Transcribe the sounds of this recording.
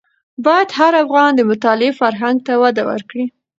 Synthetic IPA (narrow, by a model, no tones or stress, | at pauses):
bɑjad̪haɾafɣɑnd̪əmʊt̪ɑlɪefaɾɦaŋɡ̚t̪awad̪awə̰ɾkɽi